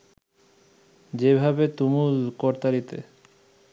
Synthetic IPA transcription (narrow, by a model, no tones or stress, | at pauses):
d͡ʑebʱabet̪umulkɔɾt̪aɾit̪e